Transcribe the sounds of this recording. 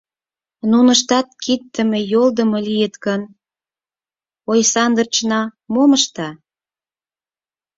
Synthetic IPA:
nunə̆ʃt̪ɑt̪̚kit̪ːə̆mĕjold̪ə̆mɤ̆lijət̪kən | ojsɑnd̪ərt͡ɕnɑmoməʃt̪ɑ

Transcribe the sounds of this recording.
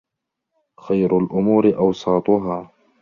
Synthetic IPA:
xajɾʊlʔʊmuːɾɪʔɑwsˤɑːt̪ˤʊɦaː

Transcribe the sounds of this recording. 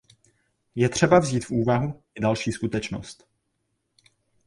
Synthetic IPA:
jɛt̪r̝̥ɛbavziːt̪fʔuːvaɦuɪdalʃiːskut̪ɛt͡ʃno̞̰st̪

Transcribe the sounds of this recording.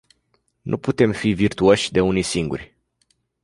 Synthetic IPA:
nʔṵput̪e̞mfivirt̪uo̞ʃʲd̪e̞unisiŋɡṵrʲ

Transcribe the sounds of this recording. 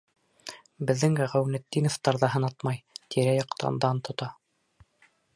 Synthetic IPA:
bɘ̆ðːɘŋæʁæwnæd̪ːinoft̪ɑɾðɑɦɤ̆nɑt̪mɑjt̪ʰiɾæjɑqt̪ɑ̰nd̪ɑnt̪ŏt̪ɑ

